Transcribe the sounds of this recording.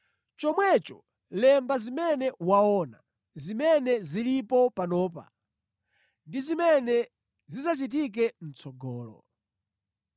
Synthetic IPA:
t͡ʃɔmwɛt͡ʃɔ | lɛmbazimɛnɛwaɔna | zimɛnɛzilipɔpanɔːpa̰ | ndizimɛnɛ | zizat͡ʃit̬ik̬ɛm̩t͡sɔɡɔːlɔ̰

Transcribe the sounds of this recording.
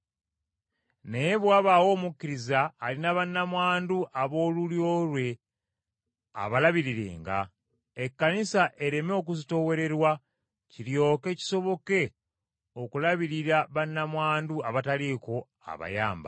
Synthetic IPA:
nejeβwaːβawo̞ːmukːiɾizaːlinaβanːamwaːnduʔaβo̞ːluljo̞lwe̞ | a̰βalaβiɾiɾe̞̰ːŋɡa̰ | ekːanisaʔe̞ɾe̞meok̬uzito̞we̞ɾe̞ɾwa | ciɾjo̞ːke̞ːci̥so̞βo̞ke̞ | okulaβiɾiɾaβanːamwaːnduaβataliko̞ | a̰βa̰ja̰ːmba̰

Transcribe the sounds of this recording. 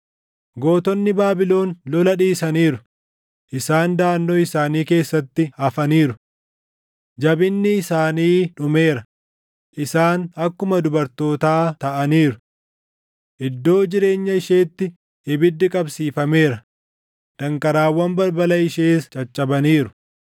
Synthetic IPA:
ɡo̞ːt̪ɔnːɪbaːbɪlo̞ːnlɔlɐᶑiːsɐniːɾʊ | ʔɪsaːnd̪aːnːoːɪsaːniːke̞ːsːɐt̪ːɪhɐfɐniːɾʊ | d͡ʒɐbɪnːɪːsaːniːᶑʊmeːɾɐ | ʔɪsaːnɐkːʊmɐd̪ʊbɐɾt̪o̞ːt̪aːt̪ɐʔɐniːɾʊ | ʔɪd̪ːo̞ːd͡ʒɪɾe̞ːɲːɐɪʃeːt̪ːɪ | ɪbɪd̪ːɪkʼɐbsiːfɐme̞ːɾɐ | d̪̥ɐŋkɐɾaːwːɐmbɐɾbɐlɐɪʃeːst͡ʃʼɐt͡ʃʼːɐbɐniːɾʊ̥

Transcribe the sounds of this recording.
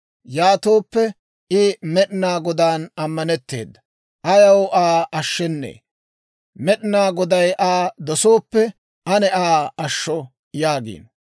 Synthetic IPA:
jaːt̪oːpːɛ | ɪmɛɗnaːɡɔd̪aːnɐmːɐnɛt̪ːe̞̰ːd̪ːɐ | ʔɐjɐwʔaːʔɐʃːɛnːḛː | mɛɗɪnaːɡɔd̪ɐjʔaːd̪ɔso̞ːpːɛ | ʔɐnɛʔaːɐʃːɔ | jaːɡḭːn

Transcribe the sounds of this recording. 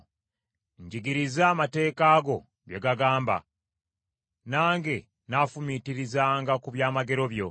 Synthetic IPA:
ɲɟiɡiɾizaːmate̞ːkaːɡo̞ | ɡjeɡaɡaːmba̰ | naːŋɡe̞ | nafumitiɾizaːŋɡakuβjaːmaɡe̞ɾo̞βjo̞

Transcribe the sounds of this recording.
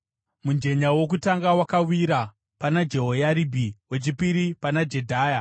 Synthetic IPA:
mund͡ʒe̞ɲawo̞k̬utaŋɡawakawiɾa | panad͡ʒe̞ɦojaɾibʱiwe̞t͡ʃipiɾipanad͡ʒe̞dʱaːja

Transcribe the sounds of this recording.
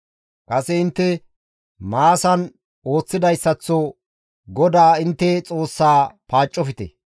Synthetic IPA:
kʼɐsɛɪnt̪ːɛ | maːsɐn | o̞ːt͡sːɪd̪ɐjsːɐt͡sːɔ | ɡɔd̪aːɪnt̪ːɛt͡sʼo̞ːsːaːpaːt͡ʃʼːɔfɪt̪ɛ̰

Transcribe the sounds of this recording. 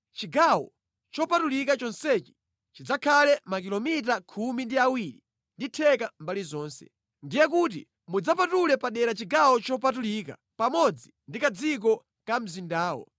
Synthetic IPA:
t͡ʃiɡawɔ̰ | t͡ʃɔpatulik̬at͡ʃɔnsɛt͡ʃi̥ | t͡ʃid͡zakʰalɛmakilɔmit̬akʰumindiawiɾi | nditʰɛkambalizɔːnsɛ̥̰ | ndijɛkut̬ḭ | mud͡zapatulɛpaɗɛɾat͡ʃiɡawɔt͡ʃɔp̬atuliːka | pamɔd͡zindikad͡zik̬ɔ | kam̩zindaːwɔ̰

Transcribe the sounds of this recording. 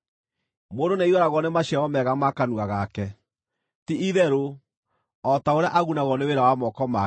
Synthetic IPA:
moːndoneiɣɔɾaɣɔnemaɕɛɔmɛɣamakanuaɣakɛ | tiʔiðɛɾo | ɔtaoɾeaʔaɣunaɣɔneweɾawamɔkɔma

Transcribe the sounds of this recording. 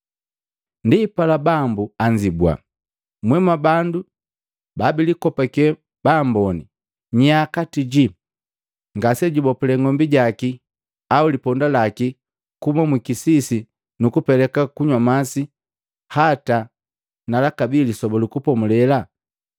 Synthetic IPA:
ndipalabambuaɲd͡ʒibwa̰ | mwɛmabandu | babilikɔpakɛ | b̥ambɔni | ɲakatiɟi | ŋɡasɛɟibɔpulɛŋɔmbiɟaki | aulipɔndalaki | kumamwikisisi | nukupɛlɛkakuɲwamasi | hata | nalakabilisɔbɔlukupɔmulɛla

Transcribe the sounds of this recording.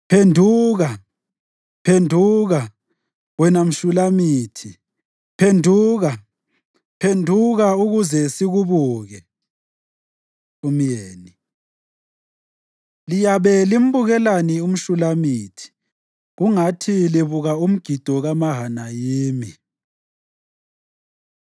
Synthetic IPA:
pʰendʱuːɣa | pʰendʱuɣa | wɛnam̩ʃulamiːtʰi | pʰendʱuːɣa | pʰendʱuɣauɣuzɛsiɣuβuːɣɛ | um̩jeːni | lijaβɛlim̩βuɣɛlanium̩ʃulamiːtʰi̥ | ɣuŋatʰiliβuɣaum̩ɡ̥ʱid̥ʱɔɣamaɦanajiːmi

